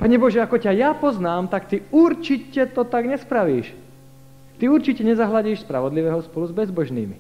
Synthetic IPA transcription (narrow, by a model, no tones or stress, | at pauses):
paɲɛbɔʒɛakɔcajapɔznaːmt̪akt̪iuɾt͡ʃicɛt̪ɔt̪aɡɲɛspɾaʋiːʃ | t̪iuɾt͡ʃicɛɲɛzaɦlaɟiːʃspɾa̰ʋɔd̪liʋɛːɦɔspɔluzbɛzbɔʒnḭːmi